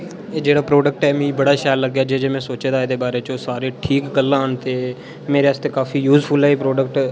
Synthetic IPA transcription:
eːd͡ʒeːɽaːpɾoːɖək̚ʈɛːmĩːbəɽaːʃaːjlːəɡːjaːd͡ʒeːd͡ʒeːmɛ̃ːsoːt͡ʃeːd̪aːed̪eːbaːɾeːt͡ʃõːsaːɾeːʈʰiːkɡəlːãːənt̪eː | meːɾeaːst̪eːkaːfiːjuːzpʰʊlɛːiːpɾoːɖəkʈ

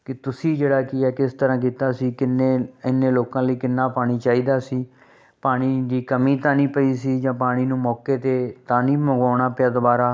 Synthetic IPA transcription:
kɪt̪ʊsiːd͡ʒeːɽaːkɪɛːkɪst̪əɾãːk̬iːt̪aːsiːkɪneːɪnːeːloːkãːləiːkɪnːaːpaːɽ̃iːt͡ʃaːiːd̪aːsiː | paːɽ̃iːd̪iːkəmiːt̪ãːnĩːpəiːsiːd͡ʒãːpaːɽ̃iːnũːmɔːkeːt̪eːt̪ãːnĩːməɡaːɳ̃aːpɪaːd̪ʊbaːɾaː

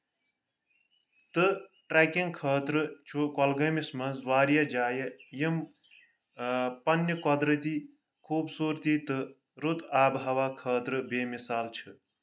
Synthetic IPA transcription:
t̪ɨʈɾeːkiŋkʰəːt̪ɾɨt͡ʃʰukɔlɡəjmismɐnzʋaːɾjad͡ʒaːjɐjim | pɐnjəkɔd̪ɾət̪i | kʰuːbsuːɾt̪it̪ɨ | ɾut̪aːbɦɐʋaːkʰəːt̪ɾɨbeːmisaːlt͡ʃʰɨ

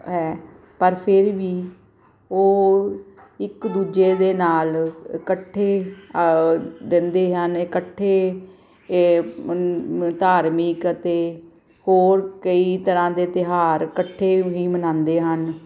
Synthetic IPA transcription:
ɦɛː | pəɾpʰɪɾʋiː | oː | ɪkd̪uːd͡ʒeːd̪eːnaːlkəʈʰːeː | ɾɛ̃ːnd̪eːɦənɪkəʈʰːeː | t̪aːɾmikət̪eː | hoːɾkəiːt̪əɾãːd̪eːt̪ɪɦaːɾkəʈʰːeːɦiːmənãːnd̪eːɦən

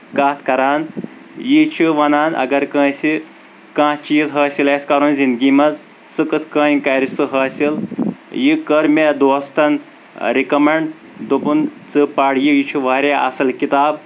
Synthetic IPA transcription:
kaːt̪ʰkɐɾaːn | jit͡ʃʰiʋɐnaːnɐ̰ɡɐɾkə̃ːsi | kãːt͡ʃiːzɦɐːsʲilɐːsʲkɐɾunzind̪ɡʲiːmɐz | sɨkɨt̪ʰkə̃ːkɐɾisɨɦɐːsiljikəɾmʲed̪oːst̪ɐn | ɾikɐmeɳɖ | d̪upunt͡sɨpaːɽjijit͡ʃʰuʋaːɾeɐ̰sɐlkit̪aːb

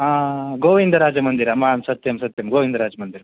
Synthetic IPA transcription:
ɦaːɡoːʋind̪ɐɾaːd͡ʒɐmɐnd̪iɾɐmaːnsɐt̪jɐmsɐt̪jɐmɡoːʋind̪ɐɾaːd͡ʒɐmɐnd̪iɾɐ

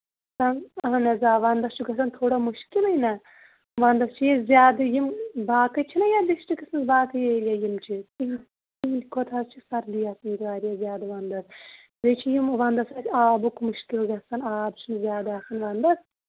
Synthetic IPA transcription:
sɐnɐɦɐnɐzaːʋɐnd̪ɐst͡ʃʰiɡɐsɐnt̪ʰoːɽɐmuʃkilɐjnɐ | ʋɐnd̪ɐst͡ʃʰijezʲjaːd̪ɨjimbaːkɐt͡ʃʰinɐjad̪iʃʈikɐsɨnzbaːt̪ʰɨjejɐjimt͡ʃʰiiɦ | ilʲkʰot̪ʰɐzt͡ʃʰisɐɾlijɐsniɾʋaːɾijɐzʲjaːd̪ɐʋɐnd̪ɐs | zet͡ʃʰijimʋɐnd̪ɐsasʲaːbukmɨʃkilɡɐsɐnaːbt͡ʃʰinzʲjaːd̪aːsɐnʋɐnd̪ɐs

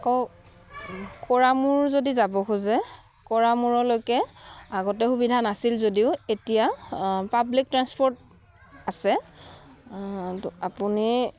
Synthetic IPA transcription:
akɔ | kɔɹamuɹzodizabɔɦuzɛ | kɔɹamuɹɔlojkɛaɡɔtɛxubidʱanasilzodiʊetijapablik̚tɹanspɔɹt | asɛ | apuni

